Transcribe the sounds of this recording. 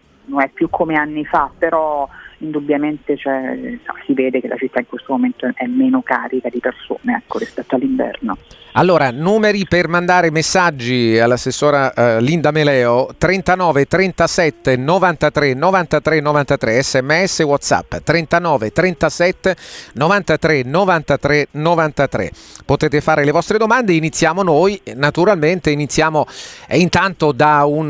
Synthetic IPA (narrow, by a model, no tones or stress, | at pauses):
nonɛpːjukʰːomeanːifapːeɾɔind̪ubːjament̪et͡ʃɛssiveːd̪ekelʔa̰t͡ʃit̪ːaiŋkwest̪omoment̪oɛʔɛmːeːnokaːɾikad̪iperso̰ːneɛkːoɾispɛt̪ːoalːiɱvɛ̰rnoalːoːɾanuːmeɾipermand̪aːɾemesːad͡ʒːialːasːesːoːɾalind̪amelɛːot̪ɾɛnt̪anɔːvet̪ɾɛnt̪asɛt̪ːenovant̪at̪ɾenovant̪at̪ɾenːovant̪at̪ɾeɛsːɛmːeɛsːewɔt̪sa̰pːt̪ɾent̪anɔːvet̪ɾɛnt̪asɛt̪ːenovant̪at̪ɾenovant̪at̪ɾenovant̪at̪ɾḛ | pot̪eːt̪efaːɾelevɔst̪ɾed̪omand̪einit̪sːjaːmonojnat̪uɾalment̪einit̪sːjaːmoɛ̰int̪ant̪od̪aun